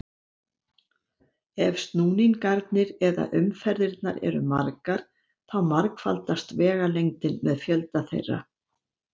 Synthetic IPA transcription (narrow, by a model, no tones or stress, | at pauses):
ɛvst̪nuːninkaɾt̪nɪɾɛða̰ʔʏmfɛɾðɪɾt̪naɾɛ̰ɾʏmaɾkaɾ̥ | θawmaɾkfa̰lt̪ast̪vɛːɣalejŋt̪ɪnmɛðfjœlt̪aθḛjrːa̰